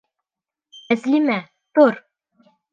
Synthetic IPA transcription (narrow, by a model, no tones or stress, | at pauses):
æzlʲimæ | t̪oɾ